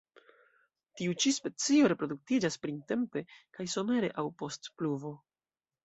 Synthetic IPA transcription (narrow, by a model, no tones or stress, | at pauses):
tiut͡ʃispe̞t͡sio̞ɾe̞pɾo̞duk̚tid͡ʒaspɾinte̞mpe̞kajso̞me̞ɾe̞ʔawpo̞stpluvo̞